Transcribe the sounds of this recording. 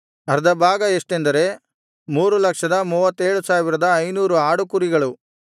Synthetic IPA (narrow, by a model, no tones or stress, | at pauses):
ɐɾd̪ɐbaːɡɐeʂʈend̪ɐɾe̞ | muːɾulɐkʂɐd̪ɐmuːʋɐt̪ːeːɭusaːʋiɾɐd̪ɐːjnuːɾuaːɽukuɾiɡɐɭu